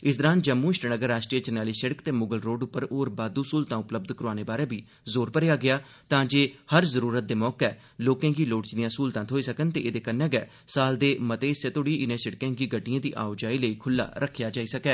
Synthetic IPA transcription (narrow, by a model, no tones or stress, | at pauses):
ɪsd̪əɾãːnd͡ʒəmːũːɪʃʈənəɡəɾːaːʃʈɾieːd͡ʒənaːliːsəɽəkt̪eːmʊɡəlɾoːɖʊpːəɾoːɾbaːd̪uːsuːlt̪ãːʊpləb̚d̪kəɾoaːneːbaːɾẽːbiː | zoːɾpəɾejaːɡɪaː | t̪ãːd͡ʒeːhəɾzəɾuːɾət̪̚d̪eːmɔːkɛː | loːkãːɡiːloːɽt͡ʃd̪ijãːsuːlt̪ãːt̪ʰoːiːsəkənt̪eːeːd̪eːkənːɛ̃ːɡɛː | saːld̪eːmət̪eːɪseːt̪oɽiːʔɪnẽːsəɽkãːɡiːɡəʈɪjãːd̪iːʔa̰ːʊd͡ʒaːiːləiːkʰʊlːa̰ːɾʔəkʰːjaːd͡ʒaːiːsəkɛː